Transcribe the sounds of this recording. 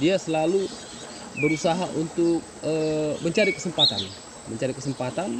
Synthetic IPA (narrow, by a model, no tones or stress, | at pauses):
diasəlalu | bəɾusaɦaʔunt̪ʊk̚əməɲt͡ʃaɾikə̥səmpat̪a̰n | məɲt͡ʃaɾikəsəmpat̪an